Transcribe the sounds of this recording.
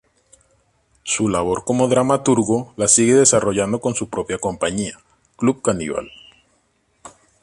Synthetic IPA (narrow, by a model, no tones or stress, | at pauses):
sulaβo̞ɾko̞mo̞ðɾamat̪uɾɣo̞lasiɣe̞ðe̞saro̞ʝand̪o̞ko̞nsupɾo̞pjako̞mpaɲia | kluβ̚kanḭβa̰l